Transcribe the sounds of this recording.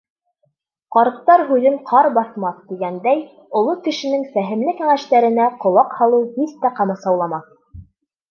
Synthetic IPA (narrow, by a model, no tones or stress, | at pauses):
qɑɾɤ̆q̚t̪ɑɾɦʉðɘɴqʰɑɾbɑθmɑθd̪iɡænd̪æj | ŏlˠokɘ̆ʃɘ̆nɘŋfæɦɘ̆mlɘkæŋæʃt̪æɾɘ̆næqŏlˠɑqhɑlˠɤwhist̪æqɑmɤsɑwlˠɑmɑθ